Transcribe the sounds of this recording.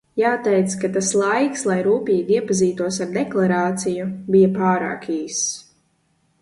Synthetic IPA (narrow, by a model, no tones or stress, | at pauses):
jaːt̪ɛjt̪skat̪aslˠajkslˠajɾuːpʲiːɡiɛpaziːt̪uɔsaɾd̪ɛklˠaɾaːt̪sijubijapaːɾa̰ːkiːs